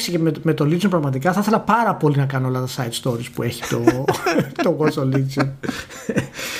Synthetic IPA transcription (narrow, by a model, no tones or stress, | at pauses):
sicememe̞t̪o̞lit͡sompɾɐɣmɐt̪ikɐθɐθe̞lɐpɐɾɐpo̞linɐkɐnoolɐt̪ɐsɐjt̪st̪o̞ɾispue̞çi̥t̪o̞ | t̪oɣosolizon